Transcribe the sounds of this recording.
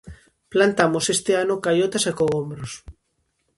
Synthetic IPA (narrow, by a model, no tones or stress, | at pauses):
plant̪amosest̪eanokajot̪asekoɣombɾos